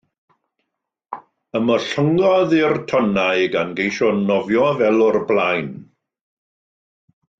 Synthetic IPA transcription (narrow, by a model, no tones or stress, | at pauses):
əmɔɬəŋɡɔðɪrtʰɔnajɡanɡejʃɔnɔvjɔvɛlˠɔrblˠajn